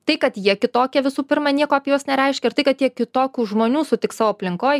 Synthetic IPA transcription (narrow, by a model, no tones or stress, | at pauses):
t̪ɐɪkɐt̪jiɛkʲɪt̪oːkʲɛʋʲɪsuːpʲɪɾmɐnʲiɛkoːɐpʲɛjoːsnʲɛɾʲɛɪʃʲkʲɛɪrt̪ɐɪkɐt̪jiɛkʲɪt̪oːkʲuːʒmoːnʲuːsʊt̪ʲɪksɑːʋoːɐpʲlʲɪŋkoːj